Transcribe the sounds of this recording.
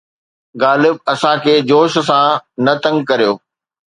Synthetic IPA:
ɣaːlɪb̚ɐsãkʰeːd͡ʑoːʃ̆sãnɐt̪ɐ̃ŋɡkɐɾijoː

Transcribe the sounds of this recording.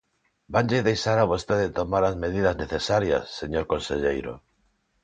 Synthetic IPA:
banʎeðejʃaɾaβ̞ost̪eðet̪omaɾazmeð̞iðɐzneθesaɾjɐ̰sːeɲoɾkonseʎejɾo̰

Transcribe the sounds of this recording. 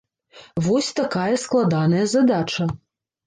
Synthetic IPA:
vɔsʲt̪akajɐsklˠad̪anɐjɐzad̪at͡ʂɐ

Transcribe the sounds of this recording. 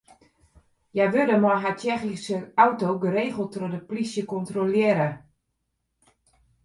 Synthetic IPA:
jajʋødəmɔjɦatɛxisəawtoɡəɾeːɣəl̩ˠtrodəplisjəkɔntroljɪːəɾə

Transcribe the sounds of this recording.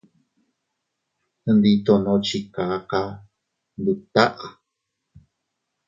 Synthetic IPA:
ənd̪it̪onot͡ʃikaka | but̪aʔ

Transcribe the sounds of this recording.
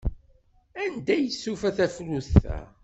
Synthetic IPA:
ænd̪æjəsːufæθæfluθæ̰

